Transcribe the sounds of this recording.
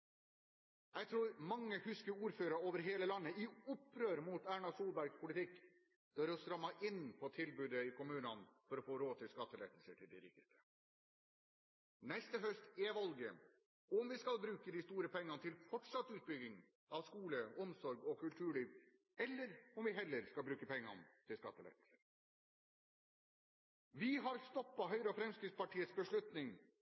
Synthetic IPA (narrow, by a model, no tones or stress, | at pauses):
jæɪt̪ʰɾuːɾmɑŋːəhʉskəɾuːɾføːɾɑoːʋəɾɦeːləlɑnːəɪʊpːɾøːɾmʊt̪æːɳɑsuːlbæɾɡpʰʊlɪt̪ʰɪkː | d̪̥øɾɔst̪ɾɑmːɑʔɪnpʰɔt̪ʰɪlbʉːd̪əɪkʊmʉːnɑnfɔɾɔfoːɾoːt̪ʰɪlskɑt̪ːəlḛːt̪əlsəʈʰɪld̪ɪɾɪkt̪əst̪ə̥ | nɛst̪əɦœst̪eːʋɑlɡə | ɔmʋɪskɑlbɾʉːkəd̪ist̪uːɾəpʰɛŋːɑnət̪ʰɪlfɔʈʂɑt̪ːʉːt̪̚bʏɡɪŋ | ʔɑʋskuːləɔmsɔɾɡɔkʰʉlt̪ʰʉːɭiːʋ | ɛlːəɾɔmʋɪɦɛlːəɾskɑlbɾʉːkəpɛŋːɑ̰nt̪ʰɪlskɑt̪ːəl̰ɪt̪l̩səɾ | ʋɪɦɑɾst̪ɔpːɑɦœʏɾəɔfɾɛmskɾɪt̪spɑʈʰiːət̪sbəʂɭʉt̪nɪŋ